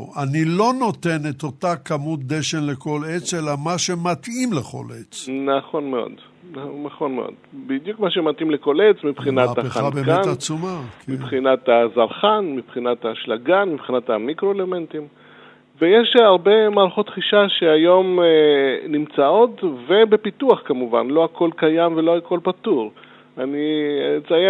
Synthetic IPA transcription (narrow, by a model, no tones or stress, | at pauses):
anilo̞no̞t̪e̞net̪o̞t̪akamut̪̚d̪eʃe̞nleko̞let͡se̞lamaʃe̞mat̪imleχo̞̰lʔet͡snaχo̞nmeo̰d̪ | nanaχo̞nmeʔo̰d̪bid̪jukmaʃemat̪ʔimleko̞let͡smipχinaapχaabemkeat͡sumakʰemibχinat̪azaʁχanmipχinataʃlaɡanmipχinatamikʁo̞ele̞me̞ntim | ve̞jeʃaʁbe̞maːʁaχo̞tχiʃaʃeajo̞menimt͡sao̞tve̞be̞pituaχkamuva̰nlo̞akʰo̞lkajamve̞lo̞ako̞lpatuʁ | anit͡saje